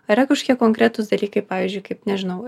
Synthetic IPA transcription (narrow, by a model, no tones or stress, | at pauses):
ɐɾɐkɐʃkʲiɛkoŋkɾʲæt̪ʊsd̪ɐlʲiːkɐɪpɑːʋʲiːzʲd͡ʒʲʊɪkɐɪpnʲɛʒʲɪnɐʊ